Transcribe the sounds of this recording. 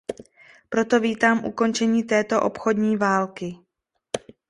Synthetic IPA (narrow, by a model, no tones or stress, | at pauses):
pɾo̞t̪o̞viːt̪aːmʔṵko̞nt͡ʃɛɲiːt̪ɛːt̪o̞ʔopxo̞dɲiːvaːlkɪ